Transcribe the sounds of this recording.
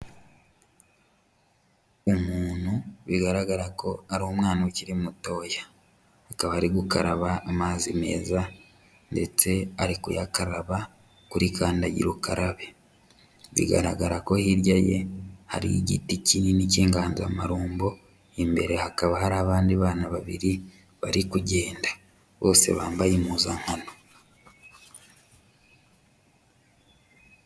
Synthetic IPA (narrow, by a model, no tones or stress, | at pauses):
omuːn̥huβiɡaɾaɡaɾako̞aɾomŋaːnaweciɾimuto̞ːja | hːkaβaɾiɡukaɾaβaːmaːzime̞̰ːza | nde̞t͡se̞aɾikṵjakaɾaβa | kuɾikaːndaɟḭɾukaɾʔaβe | βḭɡa̰ɾa̰ɡaɾako̞hiɾjaje̞ha̰ɾḭiɟḭticininiceːŋɡaːnzamaɾuːmbo̞ | imbe̞ɾe̞hakaβahaɾaːβaːndiβaːnaβaβḭɾi | βaɾikuɟe̞ːnda | βo̞ːse̞̰βaːmbajimuːzaŋhano